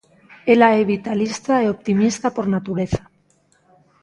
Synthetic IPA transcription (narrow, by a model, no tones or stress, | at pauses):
elaeβit̪alist̪aeo̞pt̪imist̪apo̞ɾnat̪uɾe̞θḁ